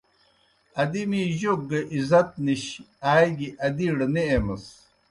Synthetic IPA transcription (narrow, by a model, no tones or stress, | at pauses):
ɐd̪imiʑoɡɐʔizɐt̪̚niɕ | aːjɡiʔɐd̪iːɽɐneemɐs